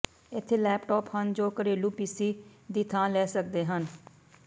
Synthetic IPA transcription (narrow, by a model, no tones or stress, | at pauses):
ɪt̪ʰːeːlɛːpʈɔːphənd͡ʒoːkəɾeːluːpiːsiːd̪it̪ʰãːlɛːsək̚d̪eːɦən